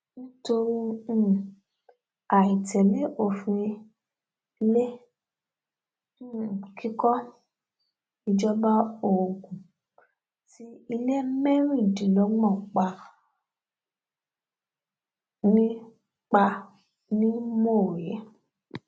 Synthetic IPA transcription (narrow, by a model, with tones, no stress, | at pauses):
nĩ˦to˧ɾĩ˦˨ | a˨i˨tɛ˨le˨˦ʔo˦˧˨fĩ˧ | i˧le˦˨ | kʰi˦kɔ˦ | i˧d͡ʒɔ˧ba˧o˨ɡũ˨ | ti˨˦i˧le˦mɛ˦ɾ̃ĩ˦˨dĩ˨lɔ˨˦ɡ͡bɔ̃˦˨k͡pa˧ | nĩ˦ | k͡pa˧ | nĩ˦mo˦˨je˨˦